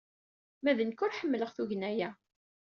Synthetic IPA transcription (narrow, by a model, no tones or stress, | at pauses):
mæðənkʊɾħəmːələʁθuʝənæjæ